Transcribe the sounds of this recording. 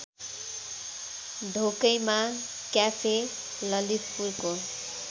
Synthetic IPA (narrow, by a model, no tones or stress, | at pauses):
d̪ʱokʌjma | kjapʰe | lʌlippurko